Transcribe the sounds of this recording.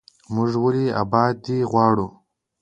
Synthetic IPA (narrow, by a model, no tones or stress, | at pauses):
mʊʐwəlia̰bɑːd̪iɣwɑːɽu